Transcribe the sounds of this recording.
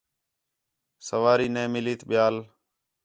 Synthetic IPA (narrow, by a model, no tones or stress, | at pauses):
səʋaːɾiːnẽːmɪliːt̪ɓɪjaːl